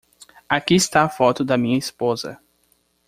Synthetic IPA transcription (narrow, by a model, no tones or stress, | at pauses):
akiɪst̪aafɔt̪ʊd̪ɐmĩɲɐispozɐ̰